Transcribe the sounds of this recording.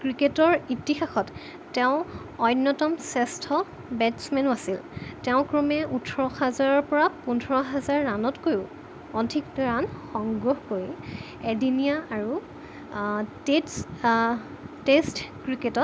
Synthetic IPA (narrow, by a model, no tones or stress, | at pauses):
kɹiketɔɹitixaxɔtː | ɛʊ̃ | ɔjnːɔtɔmsɛstʰɔ | bɛtsmɛnasiltɛʊ̃kɹɔmɛʔutʰɔɹɔhɛzaɹɔɹpɔɹapundʱɔɹɔɦɛzaɹːanɔtkojʊ̃ | ɔdʱikɹanxɔŋɡɹoɦkoɹi | ɛdinijaːɹu | tes | testkɹiketɔt̚